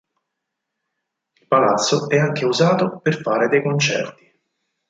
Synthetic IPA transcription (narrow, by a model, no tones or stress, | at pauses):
ilpalat̪sːoɛaŋk̟ʰeuzaːt̪operfaːɾed̪ejkont͡ʃɛ̰rt̪i̥